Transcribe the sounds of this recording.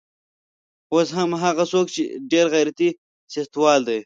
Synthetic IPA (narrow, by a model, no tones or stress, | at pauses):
osɦamɦaɣasoːk̚t͡ʃḛɖeɾɣajɾat̪i | sext̪wɑːld̪ej